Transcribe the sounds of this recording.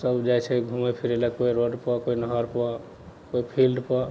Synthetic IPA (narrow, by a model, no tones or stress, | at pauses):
səbd͡ʒajt͡ʃʰɛɡʱumepʰiɾelɛkoiɾoɖpəkoinəɦəɾpɔ | koipʰilɖpə